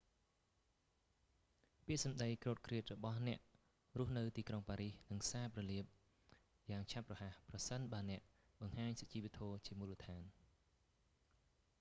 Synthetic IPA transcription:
piəʔsɑmɗəjkroːt̪̚kʰriət̪̚rɔɓɑhnɛ̆əʔ | ruəhnɨwt̪iːkroŋpaːɾihnɨŋsaːprɑliəp̚ | jaːŋt͡ɕʰaprɑhahprɑsənɓaənɛ̆əʔ | ɓɑŋhaːɲsat͡ɕiːʋeət̪ʰɔːt͡ɕiəmulːət̪ʰaːn

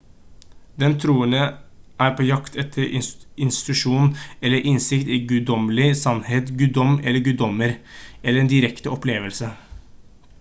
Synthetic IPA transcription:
d̪ɛnt̪ʰɾuːənəʔæːɾpʰoːjɑkt̪ʰɛt̪ʰːəɾʔɪɪnst̪ɪ̥t̪ʉʂuːnɛlːəɾʔɪnsɪkt̪iːɡʉd̪ɔməlɪsɑnheːt̪ɡʉd̪ɔmːɛlːəɾɡʉd̪ɔmːəɾɛləɾɛnd̪ɪɾɛkt̪əɔpleːʋəlsə

